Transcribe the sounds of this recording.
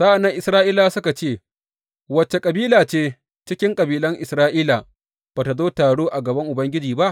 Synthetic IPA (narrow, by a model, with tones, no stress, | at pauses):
sa˦ʔa˨nːɐ˦ŋʔɪ˨sɾaː˦ʔiː˦laː˨sʊ˦ka˨t͡ʃeː˦˨ | wɐ˦t͡ʃːe˨kʼɐ˨biː˦laː˨t͡ʃeː˦ | t͡ʃɪ˦kʲɪ˦ŋkʼɐ˨biː˦lɐ˦ŋʔɪ˨sɾaː˦ʔiː˦la˨ | b̥aː˨ta˨zoː˦taː˨ɽoː˦ʔa˨ɡɐ˨bɐ˦ŋʔʊ˨bɐ˦ŋɡʲɪ˦d͡ʒiː˨ba˦ʔ